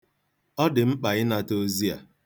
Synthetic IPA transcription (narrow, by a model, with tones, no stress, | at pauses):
ɔ˦dɪ˨ŋ͡m̩˦k͡pa˨ɣɪ˦na˨to˦zi˦a̰˨